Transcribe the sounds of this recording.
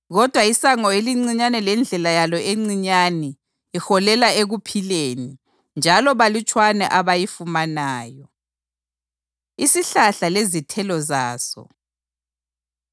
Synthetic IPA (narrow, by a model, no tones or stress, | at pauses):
ɣɔd̥ʱwaisaŋɔeliŋ͡ǀiɲanɛlɛnd͡ɮʱɛlajalɔeŋ͡ǀiɲanɛ | ixɔlɛlaeɣupʰileːni | nd͡ʒʱalɔβalit͡ʃʼwanɛ̰ʔaβajifumanaːjɔ | isiɬaɬalezitʰɛlɔzaːsɔ̰